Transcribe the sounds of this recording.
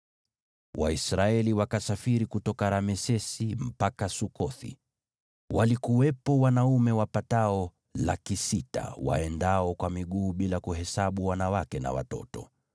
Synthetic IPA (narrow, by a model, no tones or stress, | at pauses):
waisɾaɛliwakasafiɾikutɔkaɾamɛsɛsim̩pakasukɔθḭ | walikuwɛpɔwanaumɛwapataɔ | la̰kisita̰wa̰ɛndaɔkwamiɠuːɓilakuhɛsaɓuwanawakɛna̰wa̰tɔ̰tɔ